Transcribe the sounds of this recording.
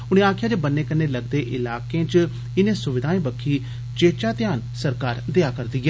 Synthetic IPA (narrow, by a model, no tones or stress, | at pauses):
ʊñẽːaːkʰjaːd͡ʒeːbənːeːkəneːləɡd̪eːʔɪlaːkẽːt͡ʃ | ɪnẽːsʊʋɪd̪ʱaːĩːbəkʰːiː | t͡ʃeːt͡ʃaːt̪ɪjaːn | səɾkaːɾd̪eaːkəɾd̪iːɡɛː